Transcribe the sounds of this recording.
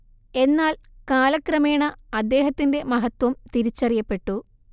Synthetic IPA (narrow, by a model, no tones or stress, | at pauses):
e̞nːaːlkaːlɐkrɐmeːɳɐɐd̪ːe̞ːɦɐt̪ːinde̞mɐɦɐt̪ːwɐmt̪iɾit͡ɕːɐrijɐpːe̞ʈːu